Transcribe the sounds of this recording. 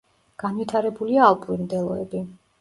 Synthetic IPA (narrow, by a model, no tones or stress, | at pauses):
ɡ̥anvit̪ʰaɾɛbuliaːlˠpʼuimd̪ɛlˠɔɛbi